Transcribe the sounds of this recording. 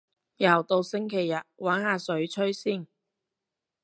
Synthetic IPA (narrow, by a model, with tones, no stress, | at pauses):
jɐ˨˩wt̪o˧wsɪ˥ŋkʰe˨˩jːɐ˨t̚waː˨˥nhaː˨˧sɵ˨˥ɥt͡ʃʰɵ˥ɥsiː˥˩n